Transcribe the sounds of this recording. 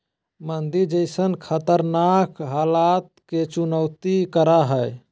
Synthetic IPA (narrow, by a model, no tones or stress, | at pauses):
mənd̪iɾd͡ʒəɪsənkʰət̪əɾnakɦalat̪ket͡ʃunəwt̪ikəɾaɦəj